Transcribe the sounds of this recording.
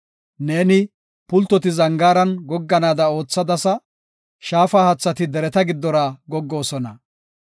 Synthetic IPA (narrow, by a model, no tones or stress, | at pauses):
ne̞ːnɪ | pʊlt̪ːɔt̪ɪzɐŋɡaːɾɐnɡɔɡːɐnaːd̪ɐo̞ːt͡sːɐd̪ɐsɐ | ʃaːfaːhɐt͡sːɐt̪ɪd̪ɛɾɛt̪ɐɡɪd̪ːɔɾaːɡɔɡːo̞ːsɔnɐ